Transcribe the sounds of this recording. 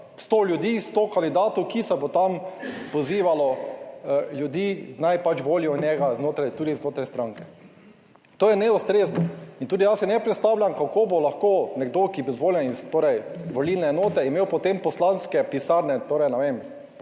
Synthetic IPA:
st̪oljʊd̪iːst̪oːkand̪id̪aːt̪ɔkisɛbot̪ampoziːʋalɔ | ljud̪iːnajpat͡ʃʋoːliɔnjɛɡaznoːt̪ɾajt̪uːd̪iznoːt̪ɾajst̪ɾaŋkɛ | t̪oːjɛnɛust̪ɾeznɔint̪uːd̪ijasɛnɛpɾɛt̪st̪awlʲjamkakoːbolaxkoːnɛɡd̪okibizʋoːljɛnizt̪oːɾɛjʋɔlilnɛːnoːt̪ɛimeːwpɔt̪empɔslanskɛpisaɾnɛt̪oːɾɛjnɛʋem

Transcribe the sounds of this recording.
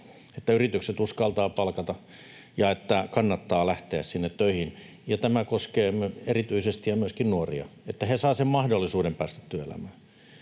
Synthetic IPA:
et̪ːæyrit̪ykset̪uskɑlt̪ɑːpɑlkɑt̪ɑ | jɑet̪ːækɑnːɑt̪ːɑːlæht̪eæssinːet̪tøihin | jɑt̪æmækoskeːmerit̪yisest̪ijɑmyøskinnuoriɑ̰et̪ːæhesɑːsemmɑhdolːisuːdempæːst̪æ̥t̪t̪yøḛlæ̰mæː

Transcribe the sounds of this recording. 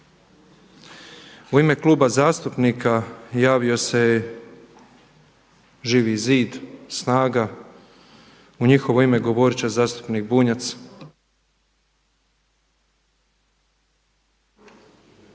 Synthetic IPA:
uime̞klˠuːbazaːst̪upnikajaːʋio̞se̞ | ʒiːʋiziːd̪snaːɡa | uɲixo̞ʋo̞ime̞ɡo̞ʋoɾit͡ɕazaːst̪u̥pniːk̚buɲat̪s

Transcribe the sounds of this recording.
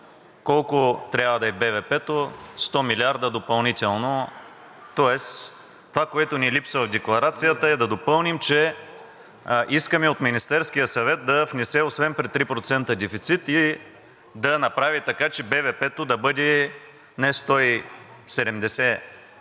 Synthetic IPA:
kɔlˠkʊt̪ɾʲavəd̪ɐɛbɛvɛpɛt̪ost̪ɔmilʲiaɾd̪əd̪opɐlˠnit̪ɛlˠno | t̪ɔɛs | t̪ovakoɛt̪ʊnilipsəvɐvd̪ɛklˠɐɾat̪sijət̪əɛd̪ɐd̪opɤlˠnimt͡ʃɛ | ʔiskəmɛot̪minist̪ɛɾskijəsɐvɛt̪̚d̪ɐfnɛsɛosvɛnpɾɛtt̪ːɾipɾot̪sɛnt̪əd̪ɛfit̪sit̪i | d̪ɐnɐpɾavit̪ɐkat͡ʃɛbɛvɛpɛt̪od̪ɐbɤd̪ɛ | nɛst̪ɔisɛd̪ɛmd̪ɛsɛ

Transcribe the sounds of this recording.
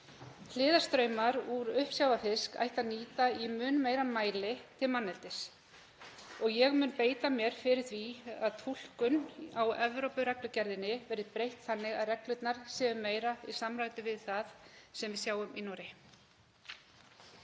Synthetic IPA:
l̥ɪːðaɾst̪ɾœɥmaɾuɾʏhpsjawvafɪska̰jht̪aniːt̪aimʏːnmejɾanmaːjlɪt̪ʰɪlmanːɛlt̪ɪs | ɔɣjɛɣmʏːnpeːjt̪amjɛɾ̥fɪɾɪɾ̥θviaðt̪ʰul̥kʏnawɛvɾowpʏɾɛklʏcɛɾðɪnɪvɛɾɪðpɾejht̪θanːɪɣaðrɛklʏt̪naɾ̥sɛːðʏmeːjɾaisamɾaːjt̪ʏvɪðθaðsɛmvɪðsjaːwʏminːɔɾɪ

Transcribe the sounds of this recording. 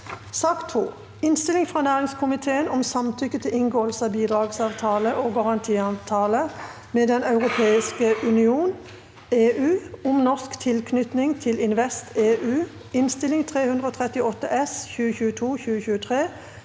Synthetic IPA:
sɑːkt̪ʰhuː | ɪnst̪ɪlɪŋfʁɑːnæːʁɪŋskʰʊmɪt̪ʰeːənɔmsɑmt̪ʰʏkːət̪ʰɪlɪŋɡoːəlsəɑːbiːd̪ʁɑːɡsɑːʋt̪ʰɑːləʔoːɡɑʁɑnt̪ʰiːɑʋt̪ʰɑːlə | meːd̪ɛnɑʉʁʊpʰeːɪskəʔʉnɪuːn | eːʔʉːɔmnɔʁskt̪ʰɪlkʰnʏt̪nɪŋt̪ʰɪlɪnʋɛst̪ʰeːʔʉː | ɪnst̪ɪlɪŋt̪ʰʁeːhʉnd̪ʁəoːt̪ʰʁɛt̪ɪɔt̪ːəʔɛsçʉːəçʉːət̪ʰuːçʉːəçʉːət̪ʰʁeː

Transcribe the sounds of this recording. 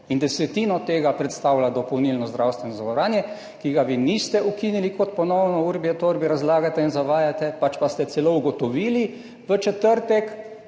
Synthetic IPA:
ind̪ɛsɛt̪iːnɔt̪eːɡapɾɛt̪st̪awlad̪ɔpɔwnilnɔzd̪ɾawst̪ʋɛnɔzaɡɔɾaːnjɛ | kiɡaʋinist̪ɛʔukinilikɔt̪pɔnɔwnɔuɾbjɛt̪oɾbiɾazlaːɡat̪ɛinzaʋaːjat̪ɛpat͡ʃpast̪ɛt̪sɛlouɡɔt̪ɔʋiːli | ʋət͡ʃɛt̪əɾt̪ɛk

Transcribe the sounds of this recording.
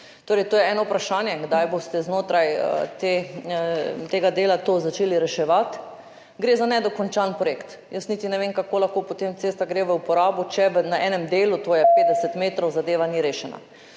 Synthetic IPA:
t̪oːɾɛjt̪oːjɛɛːnɔupɾaʃaːnjɛɡd̪ajbost̪ɛznoːt̪ɾajə̰t̪e | t̪eːɡad̪eːlat̪oːzat͡ʃeːliɾɛʃɛʋat̪ | ɡɾeːzanɛd̪ɔkɔnt͡ʃanpɾojekt̪ | jəsnit̪inɛʋeːŋkakoːlaxkoːpot̪emt̪seːst̪aɡɾeʋəupɔɾaːbut͡ʃɛʋənaʔɛnɛmd̪eːlut̪oːjɛpeːd̪d̪ɛsɛt̪meːt̪ɾoʊwzad̪eːʋaniɾeːʃɛna̰

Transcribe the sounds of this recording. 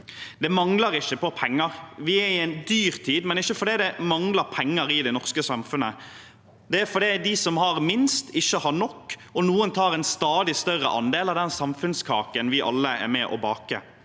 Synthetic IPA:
d̪ɛmɑŋləɾɪçːəpɔpʰɛŋːəɾʋɪæɾɪɛɪnd̪yːɾt̪ʰiːd̪mɛnɪçːəfɔɖ̪iːd̪ɛmɑŋləɾpʰɛŋːəɾɪd̪ɛɪnɔʁskəsɑmfʉnə | d̪ɛæɾfɔɖiːd̪ɪsɔmhɑɾmɪnst̪ʰɪçːəhɑɾnɔkːɔnuːənt̪ʰɑːɾɛnst̪ɑːd̪ɪst̪œɾə̰ʔɑ̰nd̪eːlɑd̪ɛnsɑmfʉnskʰɑ̰ːkənʋɪʔɑ̰lːəæ̰ɾmɛʔɔ̰bɑːkə̰

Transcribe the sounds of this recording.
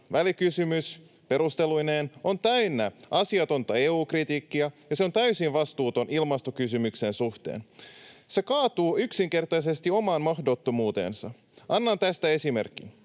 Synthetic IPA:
ʋælikysymys | pe̞ɾust̪e̞lujneːno̞nt̪æynːæʔɑsiɑt̪o̞nt̪ɑe̞ːuːkrit̪iːkːiɑjɑseo̞nt̪æysinʋɑst̪uːt̪o̞nʔilmɑst̪o̞kys̬ymykse̞nsuht̪ḛːnse̞kɑːt̪uːyksiŋke̞rt̪ɑjs̬e̞st̪io̞mɑːnmɑxdo̞t̪ːo̞muːt̪e̞̰ːnsɑ | ʔɑnːɑnt̪æst̪æe̞sime̞̰rkːˑḭn

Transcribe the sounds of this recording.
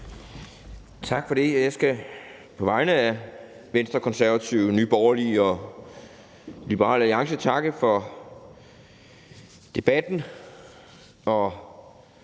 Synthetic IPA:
t͡sʰɑ̈ɡ̥fɒ̽d̥e̝jjɑ̈ɪsɡ̥æ | pʰɒ̽ʋɑ̈ɪnəæ | ʋensd̥ʁɐkʰɒ̽nsæɐʋæt͡sʰiʊnyːb̥ɒʊɐliɒ | lib̥əʁɑ̰ːlæliɑ̈ŋsət͡sʰɑ̈ɡ̥əfɒ̽ | d̥e̝b̥æd̥n̩ | ɒ̽

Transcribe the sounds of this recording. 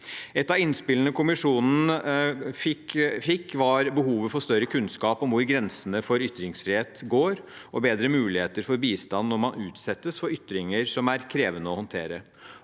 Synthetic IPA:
ɛt̪ːɑʋɪnspɪlənəkʰʊmɪʂuːnn̩fɪkfɪkːʋɑɾbəɦuːʋəfɔʂt̪œɾːəkʰʉnskɑːpɔmʋʊɾɡɾɛnsənəfɔɾʏt̪ːɾɪŋsfɾɪeːt̪ɡoːɾ | ɔbeːd̪ɾəmʉːlɪheːt̪əɾfɔɾbiːst̪ɑnːɔɾmɑnʉːt̪sɛt̪ːəsfɔɾʏt̪ːɾɪŋəɾʂɔmæɾkʰɾeːʋənəɔhɔnt̪ʰeːɾə

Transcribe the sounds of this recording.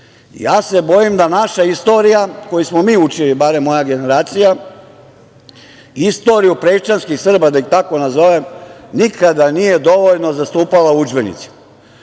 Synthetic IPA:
jaːse̞bo̞jimd̪anaʃaist̪o̞ːɾijako̞jismo̞miːut͡ʃilibaɾe̞mːo̞jaɡe̞ne̞ɾaːt̪sija | ist̪o̞ɾijupɾet͡ʃanskixsr̩bad̪aikt̪ako̞nazo̞ʋemnikad̪anije̞d̪o̞ʋo̞ʎno̞zast̪uːpalaud͡ʒbe̞nḭt̪si̥

